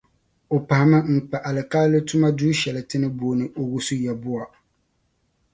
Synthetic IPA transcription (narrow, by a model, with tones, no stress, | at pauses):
o˨pa˨ha˨ma˦ŋ̩˨k͡pa˨ʔa˨lɨ˨ka˦lɨ˦tʊ˦ma˦duː˦ʃɛ˨lɨ˨tɨ˦nɨ˦boː˨nɨ˨ʔo˨wʊ˦sʊ˦jɛ˨bʊ˦a˨